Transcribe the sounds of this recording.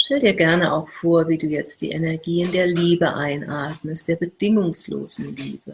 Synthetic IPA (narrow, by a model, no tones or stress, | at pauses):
ʃtʰɛldiːɐɡɛɐnəʔaʊxfoːɐviːduːjɛt͡st̚d̥ḭːʔenɛɐɡiːɪndeːɐliːbəʔaɪnʔaɐtməst̚d̥eːɐbəd̥ɪŋʊŋslo̰ːz̥n̩lḭːbə